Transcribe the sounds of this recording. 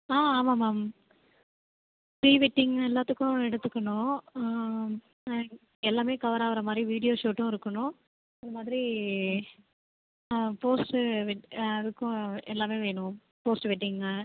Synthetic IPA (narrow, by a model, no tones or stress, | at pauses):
aːaːmaːmaːm | pɾiːʋɪʈːɪŋɡɛlːaːt̪ːɯkːʊ̃ɛɽɯt̪ːɯkːɐɳʊ̃ | ɛlːaːmeːkɐʋɐɾaːʋɐɾɐmaːd̪ɾiʋiːɽɪjoːʂoːʈːʊ̃ɪɾɯkːɐɳʊ̃ | ɐnðɐmaːd̪ɪɾi | poːsʈʋɛʈɐðɯkːʊ̃ɛlːaːmeːʋeːɳʊ̃ | poːsʈʋɛʈːɪŋɡɐ